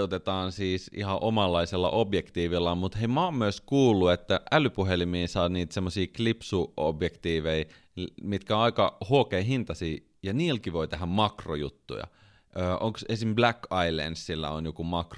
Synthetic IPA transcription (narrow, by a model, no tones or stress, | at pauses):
ut̪et̪ɑːnsiːsḭhɑʔomɑlːɑiselːɑ̰ʔobjekt̪iːʋilːɑmut̪heimɑmmyøskuːlːuet̪ːæʔælypuɦelimiːsɑːniːt̪semːosiːklipsuo̰bjekt̪iːʋei | mit̪kæoɑikɑhuokeiɦint̪ɑsiː | jɑniːlkiʋoit̪eɦæmmɑkrojṵt̪ːṵjɑ̰ | ʔøːʔoŋksesimblækːɑilḛnsːilːæ̰onjokumɑkr